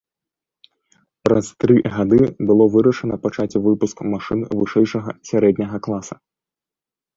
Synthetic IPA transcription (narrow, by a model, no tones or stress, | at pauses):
pɾɐst̪ɾɨɣad̪ɨbɨlˠɔvɨɾɐʂɐnɐpat͡ʂat͡sʲɛvɨpuskmaʂɨnvɨʂɛjʂɐɣɐsʲaɾɛd̪ʲnʲɐɣɐklˠasɐ